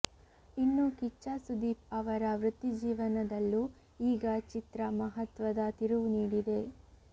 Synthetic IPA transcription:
inːukit͡ʃːasud̪iːpɐʋɐɾɐʋɾut̪ːid͡ʒiːʋɐnɐd̪ɐlːu | iːɡɐt͡ʃit̪ɾɐmɐɦɐt̪ʋɐd̪ɐt̪iɾuʋuniːɽid̪e̞

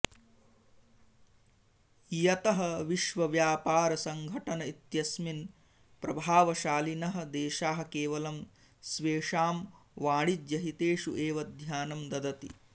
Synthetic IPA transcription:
jɐt̪ɐɦɐʋiʃʋɐʋjaːpaːɾɐsɐŋɡʱɐʈɐnɐit̪jɐsmin | pɾɐbʱaːʋɐʃaːlinɐɦɐ̆d̪eːʃaːɦɐ̆keːʋɐlɐm | sʋeːʂaːmʋaːɽid̪jɐɦit̪eːʂuʔeːʋɐd̪ʱjaːnɐmd̪ɐd̪ɐt̪i

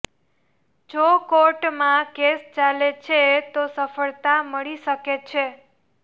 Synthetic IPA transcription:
d͡ʒokoʈmãkest͡ʃalet͡ʃʰet̪osəfəɭt̪aməɭiʃəket͡ʃʰe

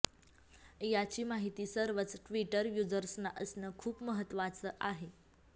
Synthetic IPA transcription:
jat͡ɕiːmaɦit̪iːsəɾʋət͡sʈʋiʈəɾjud͡zəɾsnaʔəsnəːkʰuːpməɦət̪ːʋat͡səːʔaɦe

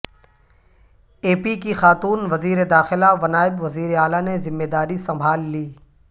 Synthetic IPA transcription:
eːpikixaːt̪uːnʋɐziːɾed̪aːxɪlaʋɐnaːɪbʋɐziːɾeaːlanezɪmːeːd̪aːɾisɐ̃mbʱaːlːiː

